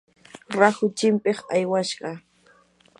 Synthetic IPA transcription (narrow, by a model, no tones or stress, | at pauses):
ɾaxʊt͡ʃɪmpɪχajwaʃɢɑ